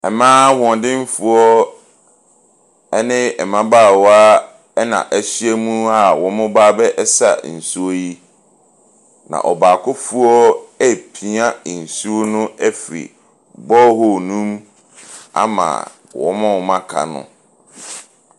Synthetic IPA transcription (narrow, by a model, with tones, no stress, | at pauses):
ɛ˨mãː˦wɔ̃˨ndɪ̃˦m˦fu˨ɔ˦ | ɛ˦nɪ̃˦ɛ˨mã˦baː˦˨wa˦ | ɛ˦nã̰˨ʔɛ˨ɕi˦ɛ˦mũ˦a˨wɔ̃˨˦mʊ̃˦baː˦bɛ˦ʔɛ˦sa̰˨n̩˨su˦o˦ji˦ | nã̰˨ʔɔ˨baː˨kʰʊ˦fu˦ɔ˦ɛ˦pʰi˨˦a˦˨n̩˨su˦o˦nʊ̃˦ɛ˦fɾḭ˨ | bɔ˦hɔ˦˨nũ˦m | a̰˦mã̰˨ | wɔ̰˨mã˦wɔ˨mã˦kʰa̰˨nʊ̰̃˦˨